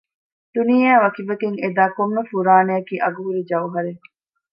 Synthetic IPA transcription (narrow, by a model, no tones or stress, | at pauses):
d̪̥uniːjæːʋɐkiʋɐkeŋed̪aːkomnɐfuɾaːneɐkiːʔɐɡuɦuɾid͡ʒɐwɦɐɾe